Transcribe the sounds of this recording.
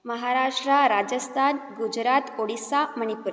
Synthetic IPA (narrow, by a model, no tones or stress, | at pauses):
məɦaɾaʂʈɾaɾad͡ʑəst̪ʰanɡud͡ʑɾat̪oɽisaməɳ̃ipuɾ